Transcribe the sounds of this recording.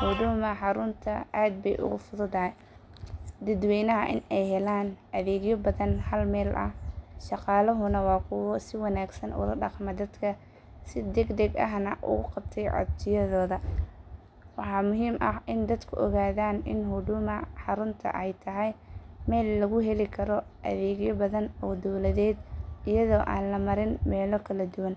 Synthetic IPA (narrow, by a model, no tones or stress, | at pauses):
hʊd̪ʊmɐħɑɾʊnt̪ʰɐʔaːd̪̚bɛjʔʊ̰ɣʊfʊðʊd̪ɐɦɛ | d̪ɐd̪wɛjnɐɦɐʔɪnɛjhɛlaːnʔɐðɛːɣjɔbɐðɐnhɐlmɛːlʔɐ̰hʃɑqɑːlɐɦʊnɐwɑːkʰʊwɔsɪwɑnaːɡsɐnʔʊ̰ːlɐɖɑqmɐd̪ɐd̪kʰɐ | sɪd̪ɛɡd̪ɛɡɐ̰ɦnɐʔʊ̰ɣʊqɑb̚t̪ʰɛjʕɑ̰dt͡ʃɪjɐðɔːðɐ | wɑħɑːmʊɦiːmʔɐhɪnd̪ɐd̪kʰʊʔɔɣaːðaːnʔɪnɦʊɖʊmɐħɑɾʊnt̪ʰɐ̰ʔɛjt̪ʰɐɦɛjmɛːlːɐɣʊɦɛlɪkʰɐɾɔʔɐ̰ðɛːɣjɔbɐðɐnɔːd̪ɔwlɐðɛːd̪ɪjɐðɔːʔaːnlɐmɐɾɪnmɛːlɔkʰɐlɐd̪ʊwɐn